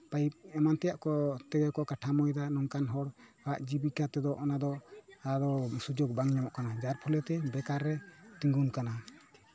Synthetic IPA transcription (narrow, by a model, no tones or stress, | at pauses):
paip̚ɛmant̪ɛjaʔkɔt̪ɛɡɛkɔkaʈʰamɔjd̪anɔŋkanɦɔɽhaʔd͡ʒibikat̪ɛd̪ɔʔɔnad̪ɔad̪ɔsud͡ʒoɡ̚baŋɲamɔʔkanad͡ʒaɾpʰɔlɛt̪ɛbɛkaɾːɛt̪iŋɡunkana